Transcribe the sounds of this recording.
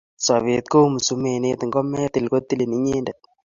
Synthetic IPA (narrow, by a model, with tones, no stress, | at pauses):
sa˨βe˨t̪̚ko˦mu˨su˨me˨ne˦t̪ŋɡɔ˦mɛ˦t̪i˨lko˦t̪i˦le˨ni˦ɲe˦ndɛ˨t̪̚